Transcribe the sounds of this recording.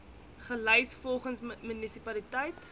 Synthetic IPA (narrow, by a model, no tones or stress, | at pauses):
χəlɛjsfɔlˠχənsmynisipɐlitəjt